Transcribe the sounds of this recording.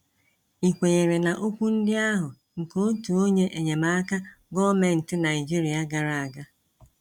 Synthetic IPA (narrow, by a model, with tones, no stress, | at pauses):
i˨kʷe˨ɲe˨ɾe˨na˨ʔo˦kʷu˦n̩˦dɪ˦a˦ɦʊ˨ | ŋ̩˨ko˦tu˨o˦ɲe˦ʔe˨ɲe˨ma˦a˦ka˦ | ɡɔ˦me˨n̩˨tɪ˦na˨ɪ˨d͡ʒi˦ɾi˨a˦ɡa˨ɾa˨a˨ɡa˦